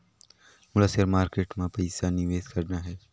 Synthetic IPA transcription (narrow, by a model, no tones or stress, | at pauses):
mʊləsəɾmaːɾkeːʈmãpɐɪsanɪʋeːzkɐɾnaɦɛː